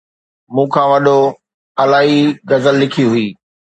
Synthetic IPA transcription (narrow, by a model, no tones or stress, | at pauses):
mũːkʰãːʋɐɗo | ɐlaːɦiɡɐzəlːɪkʰiɦʊiː